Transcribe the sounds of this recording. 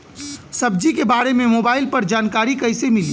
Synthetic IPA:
səbd͡ʒikebaːɾemẽmobaːɪlpɐɾd͡ʒaːnkaːɾikəɪsemɪli

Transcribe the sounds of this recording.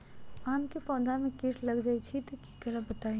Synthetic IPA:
aːnkipɔ̃ːnd̪ʱamẽkiːʈʰlɐɡd͡ʒaːit͡ʃʰit̪oki̥k̪əɾəɦbət̪aːi

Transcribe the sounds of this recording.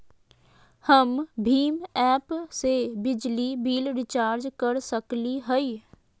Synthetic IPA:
həmbʱiːmɛːpsebɪd͡ʒlibiːlɾɪt͡ʃaːɾd͡ʒkəɾsəkliɦəi

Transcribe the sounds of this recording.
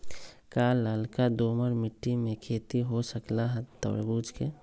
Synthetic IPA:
kalaːlkad̪oːməɾmɪʈːimẽkʰeːt̪iɦosəklaɦɛt̪ə̰ːɾḛbuːd͡ʒʱke

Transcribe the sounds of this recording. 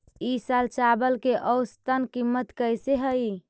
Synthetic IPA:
isalt͡ʃabəlkeʔɔʊst̪ənkimːət̪kəjseɦəi

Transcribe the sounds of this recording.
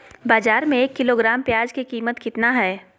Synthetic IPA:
baːzaːɾmẽeːkːɪloɡɾaːmpjaːd͡ʒkikiːmət̪kɪt̪naɦɛː

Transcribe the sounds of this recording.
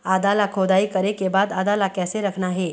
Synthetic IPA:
ad̪alakʰod̪aikəɾekebad̪ad̪alakɛseɾəkʰɳaɦe

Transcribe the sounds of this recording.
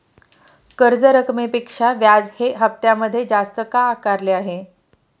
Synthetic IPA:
kəɾd͡zəɾəkmipikʂaʋjad͡zheɦəp̚t̪jaməd̪ʱːjed͡zast̪əkakaɾleaɦe

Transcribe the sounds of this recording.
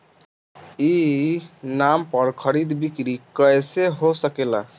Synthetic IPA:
i | nampɔɾkʰʌɾid̪bikɾikəjseɦosəkela

